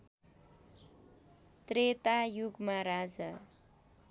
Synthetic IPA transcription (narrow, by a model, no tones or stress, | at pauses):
t̪ret̪ajuɡmaɾad͡zʌ